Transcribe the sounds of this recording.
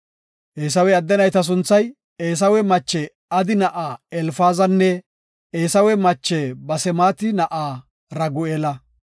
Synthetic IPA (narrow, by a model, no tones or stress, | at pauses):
ʔeːs̬ɐwɛɐd̪ːɛnɐjt̪ɐs̬ʊnt͡sːɐj | eːs̬ɐwɛmɐt͡ʃːɛ | ɐd̪ɪnɐʔaːɛlfaːzɐnːɛ | eːsɐwɛmɐt͡ʃːɛbɐsɛmaːt̪ɪnɐʔaː | ɾɐɡʊeːlɐ